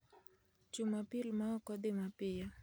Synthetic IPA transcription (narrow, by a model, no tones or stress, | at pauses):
t͡ʃumapilmaɔkɔɗimapija